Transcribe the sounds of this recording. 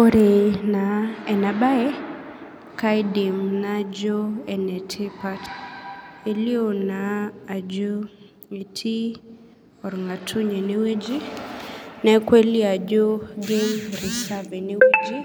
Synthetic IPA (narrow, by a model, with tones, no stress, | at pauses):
o˦ɾe˨na˨ɛ˨na˨ba˦ɛ˦ | ka˦ɪ˦di˨mna˦d͡ʒo˦ɛ˨nɛ˨tʰe˦pa˦t | e˨li˦o˦naː˨d͡ʒo˦ | e˨tʰi˦ | ɔ˨ɾŋa˨tʰu˦ɲe˨ne˦we˦d͡ʒi˦ | nɛ˦kwe˦li˦a˨d͡ʒo˦ɡe˦ɾɪ˨sa˦ve˨ne˦we˦d͡ʒi˦